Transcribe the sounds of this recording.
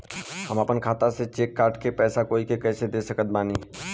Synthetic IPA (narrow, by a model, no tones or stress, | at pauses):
həməpənkʰaːt̪aset͡ʃeːkːaːɾʈkepɛːsakoːikekɛːsed̪esəkət̪̚baːni